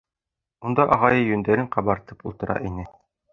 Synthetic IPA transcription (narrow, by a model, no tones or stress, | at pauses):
und̪ɑʔɑʁɑjɤjɵ̆nd̪æɾɘɴqɑbɑɾt̪ɤpulˠt̪ɤ̆ɾʔɑ̰ʔinɘ